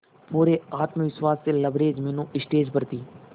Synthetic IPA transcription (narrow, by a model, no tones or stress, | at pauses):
puːɾeaːt̪məʋɪswaːsːeləbɾeːd͡ʒmẽːnũːʔɪsʈeːd͡ʒpəɾt̪iː